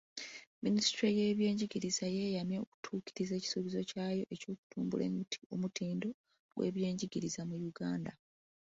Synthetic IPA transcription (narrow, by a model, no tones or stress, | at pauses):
minisi̥tɾeje̞ːβje̞ːɲɟiɟiɾizajeːjamjeoku̥tʰuːkiɾize̞ːci̥suβizo̞caːjo̞ʔe̞co̞ːku̥tʰuːmbṵle̞̰muomutʰiːndo̞ | ɡwḛβje̞ːɲɟiɡiɾizamujuɡaːnda